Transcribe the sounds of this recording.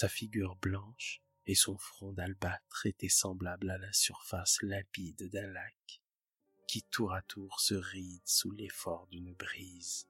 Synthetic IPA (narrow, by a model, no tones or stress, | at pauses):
safiɡʲyʁblɑ̃ʃ | esɔ̃fχɔ̃d̪albat̪χet̪ɛsɑ̃blablalasyʁfaslɛ̃pid̪d̪ɛ̃lakː | it̪uʁat̪ʰuʁsəʁid̪sulefɔʁd̪ynbʁiz